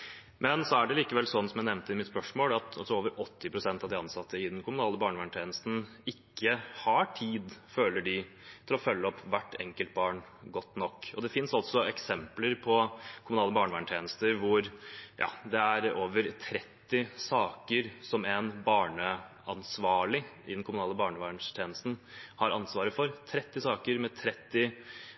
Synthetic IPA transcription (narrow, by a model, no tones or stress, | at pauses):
mʔɛnsɔæɖɛliːkəʋɛlːsɔnːsɔmjæɪnɛʋnt̪əɪmɪt̪spœʂmoːlɑt̪ɑlsɔoːʋəɾɔt̪ʰːɪpʰɾʊsɛnt̪ɑʋd̪ɪɑnsɑt̪ʰːəɪd̪ɛnkʰʊmʊnɑːləbɑːɳəʋæːɳʈ̪ʰjeːnəst̪n̩ | ɪkːəhɑʈʰiːd̪føːlːəɖɪ | t̪ʰɪlɔfœlːəɔpːʋæʈːɛŋkəlt̪̚bɑːɳɡɔt̪ːnɔkːɔd̪ɛfɪnsɑlt̪sɔɛksɛmpləɾpʰɔkʰʊmʉnɑːləbɑːɳəʋæːɳəʈ̪ʰeːnəst̪əɾʋʊɾjʔɑ̰ːd̪ɛæɾoːʋəɾt̪ʰɾɛt̪ːɪsɑːkəɾsɔmɛnbɑːɳə | ɑnsʋɑːɭɪʔɪ̰d̪ɛnkʰʊmʊnɑːləbɑːɳəʋæːɳʂt̪ʰeːnəst̪n̩hɑɾɑ̰nsʋɑːɾəfɔɾt̪ʰɾɛt̪ːɪsɑːkəɾmɛt̪ʰɾɛt̪ːɪ